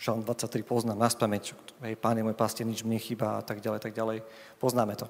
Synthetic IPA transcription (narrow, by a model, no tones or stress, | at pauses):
ʃalnd̪ʋat͡sːac̚t̪ɾipɔznaːmnaspamɛɲɦɛjpaːnjɛmɔjpascɛɲid͡ʒmɲɛxiːbaa̰t̪aɡɟalɛjat̪aɡ̚ɟalɛj | pɔznaːmɛt̪ɔ